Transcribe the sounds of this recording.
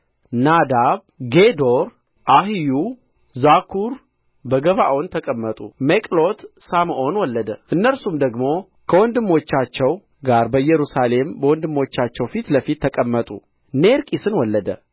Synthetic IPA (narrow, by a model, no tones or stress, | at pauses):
nad̪aβ | ɡed̪oɾ | ʔaɦiju | zakʰuɾ | bəɡəβaʔont̪ʰəkʼəmːət̪ʼṵmekʼlot̪samʔo̞nwɔlːəd̪əʔɨnːəlsumd̪əɡmo̞ | kʰəwɔnd̪ɨmːo̞t͡ʃːat͡ʃːɛw | ɡaɾbəjɛɾusale̞mbəwɔnd̪ɨmːo̞t͡ʃːat͡ʃːɛwfit̪ləfit̪ʰːəkʼəmːət̪ʼṵ | neɾkʼisɨnwɔlːəd̪ə